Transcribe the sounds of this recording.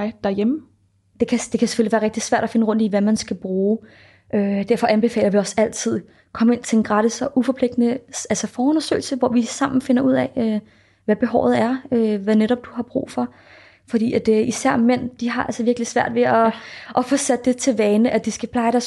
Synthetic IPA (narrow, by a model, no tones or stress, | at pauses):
ɪd̥æɐjemə | d̥e̝kʰæd̥e̝kʰæseføliʋæːɐʁeɡ̥d̥i̥sʋæɐ̰ɾ̥æfe̝nəʁɔ̽n̰d̥iʋæmænsɡ̥æb̥ʁuː | ʔød̥æɐ̰fɒ̽ʔænb̥e̝fɛ̰ːlɐʋiɒ̽sæl̰t͡sʰið̰ˠ | kʰɒ̽me̝n̰t͡sʰe̝enɡ̥ʁɑ̈ɾisɒʔufɒ̽pʰle̝ɡ̥̚d̥nəælsəfɒːɔ̽nɐsø̰ːɪl̩səʋɒʋisɑ̈m̰n̩fe̝nɐʔuð̞̰ˠɛø | ʋæb̥e̝ɦɒʊ̰ð̩ˠæɐøʋæneɾɒ̽b̥̚d̥uɦɑ̈b̥ʁṵːfɒ̽ | fɒd̥ḭːæd̥isæɐ̰men̰d̥iɦɑ̈ʔælsəʋiɐɡ̥lisʋæɐ̰d̥ʋe̝ʔɒʔɒ̽fɔsæd̥əd̥e̝t͡sʰe̝ʋɛːnəʔæd̥isɡ̥æpʰl̥ɑ̈ɪɾæ